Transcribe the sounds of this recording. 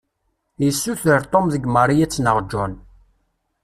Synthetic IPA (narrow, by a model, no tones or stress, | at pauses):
jəsːuθəɾt̪ˤomðəɡməɾˤijæt͡sːnəʁd͡ʒːʊn